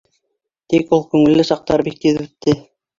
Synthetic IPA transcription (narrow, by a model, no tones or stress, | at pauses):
t̪ikulˠkʉŋɘ̆lːɘsɑq̚t̪ɑɾbik̪̚ːiðɘ̆t̪ːɘ